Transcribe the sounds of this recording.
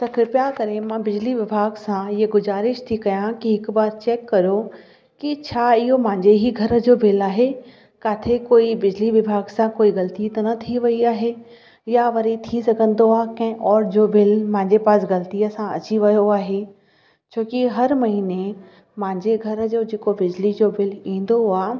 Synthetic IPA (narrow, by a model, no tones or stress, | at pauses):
t̪ɐkɪɾpjaːkɐɾemãbɪd͡ʑliʋɪbʱaːɡsãɪɦeɡʊzaːɾɪʃt̪ʰikɐjãkiɦɪkbaːɾt͡ɕeːkːɐɾjo | kit͡ɕʰaːɪɦomɐ̃ɦɪ̃ɲd͡ʑeɦiɡʱɐɾə̆d͡ʑoːbʱɪlaːɦe | kaːt̪ʰekoːibɪd͡ʑliʋɪbʱaːɡsãkoːiɣɐlt̪it̪ɐnɐt̪ʰiʋɐiaːɦe | jaʋɐɾit̪ʰisɐɡʱə̃nd̪oaːkɐ̃ɦɪ̃ʔɔːɾd͡ʑoːbʱɪlmãɲd͡ʑepaːsɡɐlt̪ijəsãɐ̰t͡ɕiʋɐjoaːɦe | t͡ɕõːkiɦɐɾmɐɦine | mɪ̃ɲd͡ʑeɡʱɐɾd͡ʑoːd͡ʑeːkobɪd͡ʑlid͡ʑobɪlĩːn̆d̪oaː